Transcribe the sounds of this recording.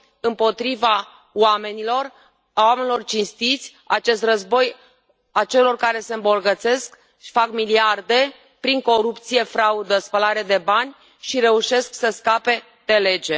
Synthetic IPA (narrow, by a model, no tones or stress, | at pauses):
ɨmpo̞t̪ɾiva | wame̞nilo̞r | awamenilo̞rt͡ʃinst̪it̪sʲ | at͡ʃe̞st̪rəzbo̞j | at͡ʃe̞lo̞rkaɾe̞se̞ɨmbo̞rɡət̪se̞sk | i̥fakmiliard̪e̞ | pɾiŋko̞ɾupt̪sije̞fɾaud̪əspəlaɾed̪e̞banʲ | ʃiɾe̞uʃe̞sksəskape̞ | d̪e̞le̞d͡ʒe̞